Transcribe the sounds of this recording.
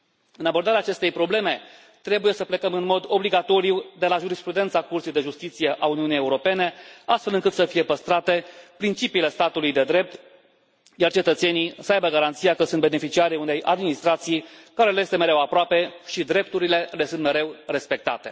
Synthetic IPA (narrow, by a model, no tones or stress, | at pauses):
ɨnabo̞rd̪aɾeaːt͡ʃe̞st̪e̞jpɾo̞ble̞me̞ | t̪ɾe̞buje̞səple̞kəmɨnmo̞d̪o̞bliɡat̪o̞ɾiud̪e̞laʒuɾispɾud̪e̞nt̪sakursijd̪e̞ʒust̪it̪sije̞ʔauniunijeuɾo̞pe̞ne̞ast̪felɨŋkɨt̪səfije̞pəst̪ɾat̪e̞pɾint͡ʃipiːle̞st̪at̪ulujd̪e̞d̪ɾe̞p̚t̪ | jart͡ʃe̞t̪ət̪se̞nisəajbəɡaɾant̪sijakəsunt̪be̞ne̞fit͡ʃiaɾiune̞jʔa̰d̪minist̪ɾat̪sijkaɾe̞lejest̪eme̞ɾe̞wapɾoape̞ʃid̪ɾe̞p̚t̪uɾile̞le̞sɨnt̪me̞ɾe̞wre̞spe̞k̚t̪a̰t̪e̞̥